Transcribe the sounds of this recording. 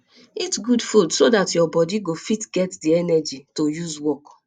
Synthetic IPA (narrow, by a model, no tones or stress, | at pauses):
itsɡudfudsodatjɔbɔdiɡofitɡɛtdiɛnɛd͡ʒitojuzwɔk